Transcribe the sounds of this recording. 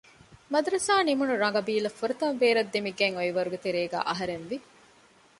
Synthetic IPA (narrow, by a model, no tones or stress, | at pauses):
mɐd̪ɾɐsaːnimunuɾɐŋɡɐbiːlɐfuɾɐt̪ɐmʋeːɾɐd̪ːemiɡeŋoiʋɐɾuɡet̪eɾeːɡæ̰ːʔɐɦɐɾenʋi